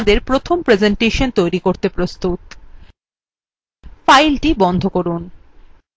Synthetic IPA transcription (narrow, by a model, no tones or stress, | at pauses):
d̪eɾpɾot̪ʰompɾed͡ʑeɳʈeʃont̪ojɾikoɾt̪epɾost̪ut̪̚ | fajlʈibɔnd̪ʱokoɾun